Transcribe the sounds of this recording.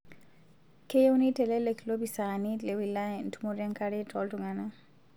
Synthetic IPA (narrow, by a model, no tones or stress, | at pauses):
kʰejunitɛlɛlekʰlobisanilewilan̩tʰumoɾiaŋkaɾetʰɔltuŋana